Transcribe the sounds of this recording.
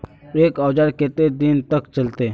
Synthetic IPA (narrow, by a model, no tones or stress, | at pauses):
eːkɔːd͡ʒaːɾket̪ed̪int̪əkt͡ʃɐlt̪eː